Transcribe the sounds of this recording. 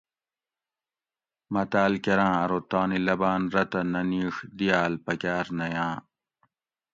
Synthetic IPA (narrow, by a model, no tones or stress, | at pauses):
mɐt̪aːlkɐɾãːɐɾot̪aːnilɐbaːnɾɐt̪ɐnɐniːxd̪ijaːlpɐkaːɾnɐjãː